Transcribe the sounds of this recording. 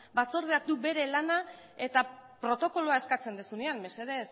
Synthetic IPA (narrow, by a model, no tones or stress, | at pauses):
bat͡soɾðeak̚d̪ube̞ɾe̞lana | e̞t̪apɾo̞t̪o̞ko̞loae̞skat͡se̞nd̪esuneanme̞seðe̞s